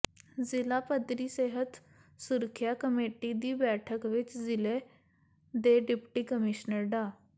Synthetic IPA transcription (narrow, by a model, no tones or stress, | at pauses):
d͡zilapəd̪ɾiːseɦət̪ | suɾkʰjakəmeʈid̪iːbɛʈʰəkʋit͡sd͡zile | d̪eɖipʈiːkəmiɕnəɾɖa